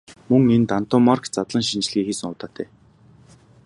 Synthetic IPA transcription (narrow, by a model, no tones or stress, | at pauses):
mɵŋent̪an̥t̪ʰɔmarkt͡sat̪ɮə̆ŋʃint͡ɕ̆ɮɣiːxiːsɘ̆ŋʊt̪aːt̪ʰeː